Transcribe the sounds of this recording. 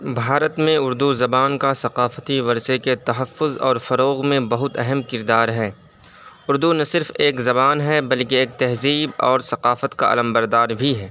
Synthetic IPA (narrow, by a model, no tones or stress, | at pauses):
bʱaːɾət̪mẽʊɾd̪uzɐbaːnkasɐqaːfət̪iʋɐɾseket̪ɐɦəfːʊzɔ̰ːɾfɐɾoːɣmẽbɐɦʊt̪ɛɦɛmkɪɾd̪aːɾɦɛː | ʊɾd̪unɐsɪɾfeːkzɐbaːnɦɛbɐlkeeːk̚t̪ɛɦziːbɔ̰ːɾsɐqaːfət̪ka̰a̰ːləmbɐɾd̪aːɾbʱiɦɛː